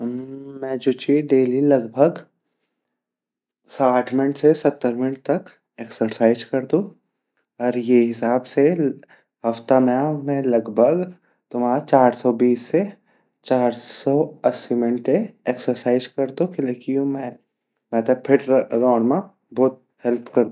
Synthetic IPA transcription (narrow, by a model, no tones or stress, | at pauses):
mɛ̃ːd͡ʒʊt͡ʃiɖeːlilɐɡbʱəɡ | saːʈʰmɪnʈsesɐt̪ːəɾmɪnʈ̚t̪ɐk | eːksəɾsaːɪzkɐɾd̪ũ | ɔːɾjeɦɪsaːbse | ɦɐft̪amẽamɛ̃lɐɡbʱəɡ | t̪ʊmaːɾt͡ʃaːɾsɔbiːsːe | t͡ʃaːɾsɔːɐsimɪnʈeeːksəɾsaːɪzkɐɾd̪ũkɪlekijũmɛ̃ | mɛ̃ːt̪epʰɪɾɾɔːɽmã | bɔːt̪̚ | hɛlpʰkɐɾd̪